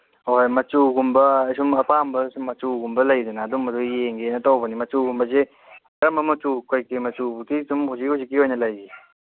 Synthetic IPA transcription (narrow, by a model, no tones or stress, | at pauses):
ojmɐt͡ʃuɡumbɐɐjsumɐpambɐsumːɐt͡ʃuɡumbɐlɐjdɐnaːdumːɐdujeŋɡenɐtawbɐnimɐt͡ʃuɡumbɐze | kɐɾɐmbɐmɐt͡ʃukojkimɐt͡ʃubutisumhuzikhuzik̬ːiojnɐlɐjɡi